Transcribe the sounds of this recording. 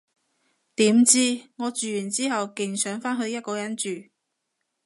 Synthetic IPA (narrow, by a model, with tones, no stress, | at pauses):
t̪iː˨˥mt͡siː˥ŋɔː˨˧t͡ʃyː˨jyː˨˩nt͡siː˥hɐ˨wkɪ˨ŋsœː˨˥ŋfaː˥nɦɵ˧ɥjɐ˥t̚kɔː˧jɐ˥nt͡ʃyː˨